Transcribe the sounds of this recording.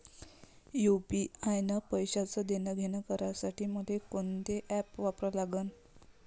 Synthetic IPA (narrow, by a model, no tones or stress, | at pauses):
jupiajnəpəjɕat͡səd̪enaɡʱenakəɾasaʈiːməd̪ʱekont̪eʔɛpʋapɾəlaɡən